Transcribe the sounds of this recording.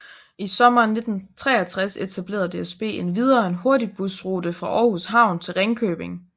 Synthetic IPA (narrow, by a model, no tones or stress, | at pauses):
isɒ̽mɐne̝d̥n̩t͡sʰʁɛ̰ːɐt͡sʰʁase̝t͡sʰæb̥le̝̰ːɐðˠd̥e̝esb̥e̝̰ːe̝nʋið̞ˠɐenɦo̝ɐdib̥usʁoːdəfʁɑ̈ʔɒːhusɦɑ̈ʊ̰nt͡sʰe̝lʁeŋkʰø̰ːb̥e̝ŋ